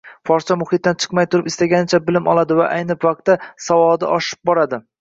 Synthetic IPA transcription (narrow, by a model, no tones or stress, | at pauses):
fɒɾt͡ʃʰamʊhɨt̪̚d̪ant͡ʃʰɨ̥qmajt̪ʰʊɾɪpɪst̪aɡʲanɪt͡ʃʰabɪlɪmɒlˠad̪ɪvaʔajnɪpvaq̚t̪ːasavɒd̪ɪʔɒʃɪ̥p̚bɒɾad̪ɪ